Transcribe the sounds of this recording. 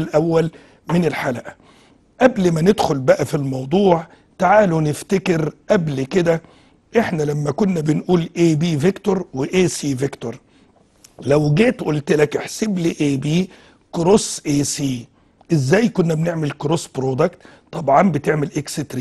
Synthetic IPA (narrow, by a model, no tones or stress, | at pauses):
lʔæwːæl | mɪnɪlħalæʔæ | ʔæblmænɪd̪xʊlbæʔæfilmɑwd̪ˤuːʕ | t̪aʕaːlunɪft̪ekɪɾʔæblkɪd̪æ | ʔeħnælæmːækʊnːæbɪnʔuːlʔeːbiːvɪkt̪oɾˤweʔeːsiːvɪkt̪oɾˤ | læwɡeːt̪ʔʊlt̪lækʔeħsɪbliːʔeːbiː | kɾosʔeːsiː | ʔɪzːæːjkʊnːæbneʕmɪlkɾosbɾoːd̪akt̪ | t̪ˤːɑbʕɑnbɪt̪eʕmelʔekset̪ɾi